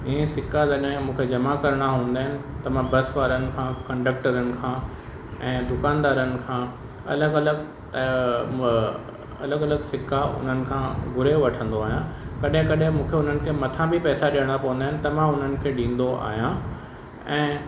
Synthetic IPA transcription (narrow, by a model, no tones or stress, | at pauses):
ɪɦẽsɪkazɐɗẽmũːkʰed͡ʑɐmakɐɾɽ̃aɦũːn̆d̪aːɦɪnɪ̆t̪ɐmãbɐsʋaːɾənɪ̆kʰãːkɐ̃ɳɖək̚ʈəɾənɪ̆kʰãː | ɛ̃ːd̪ʊkaːnd̪aːɾənɪ̆kʰãː | ɐ̰ləɡɐləɡ | ɐ̰ləɡɐləɡsɪkaʊ̰n̤ənɪ̆kʰãːɡʱʊɾeʋɐʈʰə̃nd̪oaːɦijãkɐɗɦɪ̃kɐɗɦɪ̃mũːkʰeʊn̤ənɪ̆kʰeːmɐt̪ʰãbʱipɛːsaɗijəɽ̃apɐʋə̃n̆d̪aːɪnɪ̆t̪ɐmãʊn̤ənɪ̆kʰeːɗĩːn̆d̪oʔa̰ːɦijã | ɛ̃ː